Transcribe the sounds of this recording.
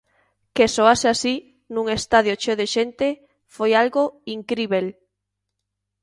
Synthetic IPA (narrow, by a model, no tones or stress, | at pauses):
kesoaseasi | nũŋest̪aðjot͡ʃoðeʃent̪e | fojalɣoiŋkɾiβel